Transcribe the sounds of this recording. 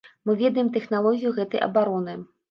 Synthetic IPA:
mɨvʲɛd̪ɐjɛmt̪ɛxnalˠɔɣʲijuɣɛt̪ɐjʔɐ̰baɾɔnɨ

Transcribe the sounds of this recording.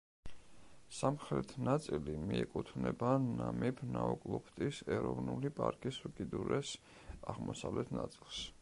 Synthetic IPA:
samχɾɛt̪ʰnat̪sʼilimiɛkʼut̪ʰnɛbanamipʰnaɔkʼlˠɔpʰt̪ʼisɛɾɔvnulipʼaɾkʼisukʼid̪uɾɛs | aʁmɔsavlɛt̪ʰnat̪sʼilˠs

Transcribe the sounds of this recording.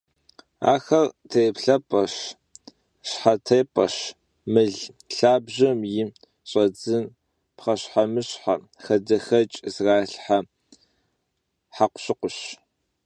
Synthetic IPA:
a̰ːxɐrtʰɐjpɬɐpʼɐɕ | ɕħatʰejpʼɐ̰ɕ | mɨɮ | ɬaːbʑɐmjɪ | ɕʼɐd͡zɨn | pχɐɕħamɨɕħa | xɐdɐxɐt͡ʃʼzraːɬħa | ħaqʷʊ̥ɕɪqʷʊɕ

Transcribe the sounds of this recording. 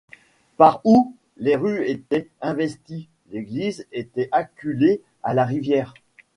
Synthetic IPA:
paʁu | leʁyet̪ɛɛ̃vɛst̪i | leɡlizet̪ɛʔakʲyle | alaʁivjɛːʁ

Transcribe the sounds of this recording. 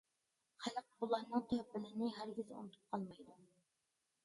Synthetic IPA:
χælˠəq̚bulˠɑɾnɨŋt̪ʰæbɪlɪnɪɦæɾɡʲizṵnɨt̪ʰu̥p̚qʰɑlˠmɑjd̪u

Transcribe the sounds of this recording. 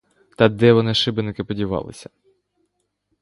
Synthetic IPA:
t̪ɐd̪ɛʋɔnɪʃɪbɪnɪkɪpɔdʲiʋɑ̰lˠɪ̰sʲɐ̥

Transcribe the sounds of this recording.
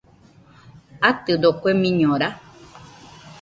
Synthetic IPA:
at̪ɨd̪okʷemĩɲõɾa

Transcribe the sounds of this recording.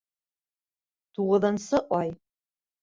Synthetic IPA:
tʰuʁəðɐnsɨʔʷɑj

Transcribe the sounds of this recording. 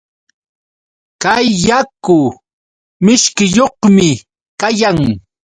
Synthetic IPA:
kajːakʊ | mɪʃkɪjoχmɪ | kajaŋ

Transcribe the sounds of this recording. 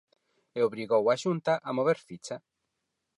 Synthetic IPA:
eoβɾiɣowaʃunt̪aʔamoβ̞eɾfit͡ʃa

